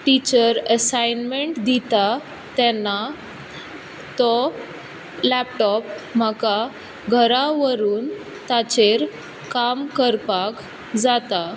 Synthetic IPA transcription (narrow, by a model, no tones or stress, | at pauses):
ʈit͡ɕəɾəsajnmeɳʈd̪it̪a | t̪ɛnːa | t̪ɔ | læp̚ʈɔpməka | ɡʱəɾaʋəɾuːn | t̪at͡ɕeɾ | kamkəɾpak | d͡zat̪a